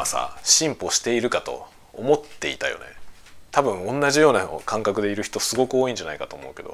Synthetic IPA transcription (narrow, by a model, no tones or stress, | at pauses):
asa̰ɕĩmpo̞ɕi̥t̪e̞iɾɯ̟kat̪o̞̰ː | mo̞t̪ːe̞ḭt̪ajo̞̰nḛ | t̪abɯ̟̃ɰ̃õ̞nːaʑijo̞ːnakʰãŋkakɯ̟d̪e̞iɾɯ̟çi̥t̪o̞sɨɡo̞kɯ̟oːĩɲ̟d͡ʑanaikat̪o̞ːmo̞̰ɯ̟ke̞d̪o̰